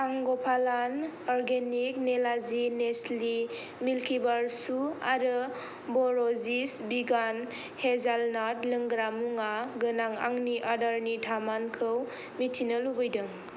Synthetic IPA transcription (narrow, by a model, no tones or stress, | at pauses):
aŋɡɔpʰalanɔɾɡenik̚nelazinesli | milkʰibaɾsua̰ɾɯ | bɔɾɔzisbiɡan | hezalnat̚lɯŋɡɾamuŋaɡɯnaŋa̰ŋniʔadaɾnidʱamankʰɯw | mitʰinəlubɯjdɯŋ